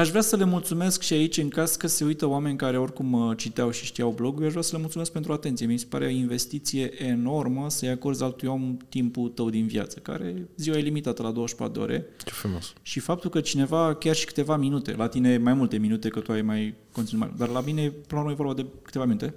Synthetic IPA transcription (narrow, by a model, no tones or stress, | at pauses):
aʃvɾʲasəle̞mult̪sume̞skʃiait͡ʃʲɨŋkaskəse̞ujt̪əoame̞nʲkaɾe̞o̞rʲkumt͡ʃit̪eawʃiʃt̪ijawblo̞ɡjoaʃvɾasəlemult̪sumesk̚pent̪ɾuat̪ent̪siemisepaɾe̞̰o̞inve̞st̪it̪sije̞ʔeno̞rməsəjako̞rd̪zʲalt̪ujo̞mt̪imput̪əwd̪invja̰t̪sə̥ka̰ɾe̞ziwaje̞limit̪at̪əlad̪o̞wəʃi̥pa̰t̪̚d̪eo̰ɾʔe̞̰t͡ʃfumosʃifap̚t̪ulkət͡ʃine̞vakʲarʃi̥kɨ̥t̪e̞vaminut̪e̞̰lat̪ine̞majmult̪e̞minut̪e̞kət̪uajmajkoninuma̰d̪arlamine̞pnaɾnumjevo̞rbad̪e̞kɨ̥t̪evaminut̪e̞